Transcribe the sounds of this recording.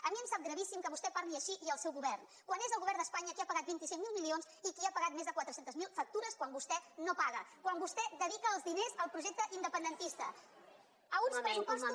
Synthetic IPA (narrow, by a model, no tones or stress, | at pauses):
əmiəmsap̚ɡɾəβisimkəβust̪ɛpaɾliəʃiʔiəlˠsɛwɣuβɛrn | kwanezəlˠɣuβɛɾnd̪əspaɲəkiapəɣat̪bint̪isiŋmilˠmilionsikiapəɣat̪̚mezðəkwat̪ɾəsent̪əzmilˠfək̚t̪uɾəskwambust̪ɛnopaɣəkwambust̪ɛd̪əðikəːlˠzðinezəlˠpɾuʒɛk̚t̪əʔind̪əpənd̪ənt̪ist̪ə | əunspɾəupɔzə